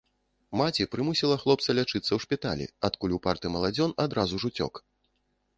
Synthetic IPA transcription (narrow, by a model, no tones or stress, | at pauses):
mat͡sʲipɾɨmusʲilˠɐxlˠɔp̚t̪sɐlʲat͡ʂɨt̪sːɐwʂpʲit̪a̰lʲḭat̪kulʲupart̪ɨmɐlˠad͡zʲɔnad̪ɾazuʐut͡sʲɔ̰k